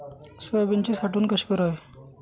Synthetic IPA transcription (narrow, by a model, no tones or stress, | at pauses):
sʋebeɲt͡ɕiːsaʈuːnkəɕkəɾaj